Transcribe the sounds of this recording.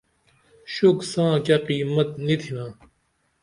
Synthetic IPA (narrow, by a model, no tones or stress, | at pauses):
ɕuksãːkɐqiːmɐt̪nit̪ʰinãː